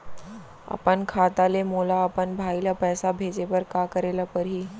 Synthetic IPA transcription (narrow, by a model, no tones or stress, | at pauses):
a̰pəɳkʰat̪alemolaːpəɳbʱailapəjsabʱed͡zeʋəɾkakəɾelapəɾɦiː